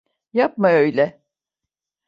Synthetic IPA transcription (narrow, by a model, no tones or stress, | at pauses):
jap̚maøjlʲɛ